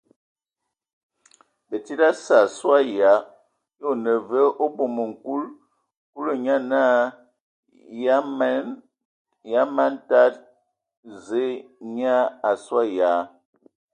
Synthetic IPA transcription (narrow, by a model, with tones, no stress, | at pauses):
bə˨ti˦da˦sa˨swa˦ja˨˦ | jo˦˨nə˨və˦ʔo˦bo˨mə˨ŋ̩˨ku˦l | ku˦lo˨ɲa˦na˦ | ja˦ma˦n˦ta˦t | ze˦ɲ˦a˦a˨swa˦ja˨˦